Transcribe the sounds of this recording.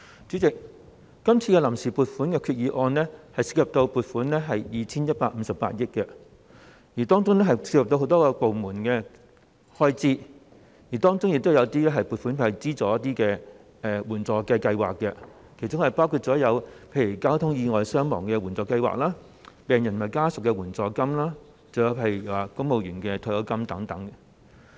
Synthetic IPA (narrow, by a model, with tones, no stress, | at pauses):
t͡sy˨˥t͡sɪ˨k̚ | kːɐ˥mt͡sʰiː˧kɛ˧lɐ˨˩msiː˨˩puː˨˧t̚fuː˨˥nkɛː˧kʰyː˧t̚jiː˨˧ʔɔː˧nlɛː˥hɐ˨jsi̥ː˧k̚hɐ˨p̚t̪o˧wpuː˨t̚fuː˨˥nlɛ˥ɦɐ˨jjiː˨t͡sʰiː˥njɐ˥t̚paː˧k̚m̩˨˧˥sɐ˨p̚pa̰ː˧t̚jɪ˥k̚kɛ˧ | jiː˨˩t̪ɔː˥ŋt͡sʊ˥ŋnɛ˥ɦɐ˨jsiː˧jɐ˨p̚t̪o˧wɦo˨˥wt̪ɔː˥kɔː˧po˨wmuː˨˩nkɛː˧ | hɔː˥jt͡siː˥ | jiː˨˩t̪ɔː˥ŋt͡sʊ˥ŋjɪ˨k̚t̪wjɐ˨˧t̪iː˥lɛː˥ɦɐ˨jpuː˨t̚fuː˨˥npʰe˥˧˩jɐ˨˩t͡siː˥t͡sɔː˨˥jɐ˥t̪̚iː˥kɛː˧ | ɛ˨˧wuː˨˩nt͡sɔː˨˩kɐ˧jkɐ˧jwaː˨kːɛ˧ | kʰe˨˩jt͡sʊ˥ŋhɐ˨˩jpaː˥wkʰuː˧t̚t͡sɔː˨˥jɐ˨˧wpʰe˧jy˨˩kaː˥wt̪ʰʊ˥ŋjiː˧ŋɔː˨jsœː˥ŋmɔ̰ː˨˩ŋkɛː˧wuː˨˩nt͡sɔː˨˧kɐ˧jwa̰ː˨k̚laː˥ | pɛː˨ŋjɐ˨˩n˨ɐ˨˩jkaː˥sʊ˨kːɛ˧wuː˨˩nt͡sɔː˨kɐ˥mlaː˥ | t͡sɐ˨wjwpʰe˧jy˨˩˨aː˨˩kʊ˥ŋmo˨˧wjɥyː˨˩nkɛ˧t̪ʰɔː˧jɐ˨˧˥wkɐ˥mt̪ɐ˨˥ŋt̪ɐ˨˥ŋ